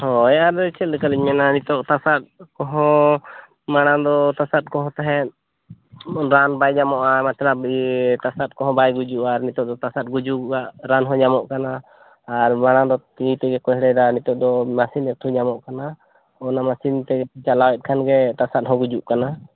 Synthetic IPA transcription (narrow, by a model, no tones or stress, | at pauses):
hɔ̃ɛʔaɾd̪ɔt͡ʃʰɛt̪̚lɛkaliɲmɛnanit̪ɔʔt̪asat̪̚kɔɦɔ̃ | maɽ̃ad̪ɔt̪asat̪̚kɔɦɔ̃t̪aɦɛt̪̚ | ɾanbajɲamɔʔamat͡ʃɾabit̪asat̪̚kɔɦɔ̃bajɡud͡ʒuʔaɾnit̪ɔʔd̪ɔt̪asat̪̚ɡud͡ʒuaʔɾanɦɔ̃ɲamɔʔkanaː | ɾmaɽ̃ad̪ɔt̪it̪ɛɡɛkɔɦɽɛd̪anit̪ɔʔ̚d̪ɔmasinɛt̪ʰuɲamɔʔkana | ɔnamasint̪ɛɡɛt͡ʃalawɛt̪̚ˀkʰanɡɛt̪asat̪̚ɦɔ̃ɡud͡ʒuʔkana